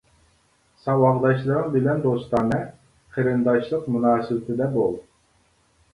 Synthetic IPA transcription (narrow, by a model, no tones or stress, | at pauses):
sɑwɑʁd̪ɑʃlˠɨɾɨŋbɪlɛnd̪ost̪ɑːnɨ | χʰeɾɨnd̪ɑʃlˠəqmunɑːsɨwɪt̪ʰɪd̪ɛbolˠ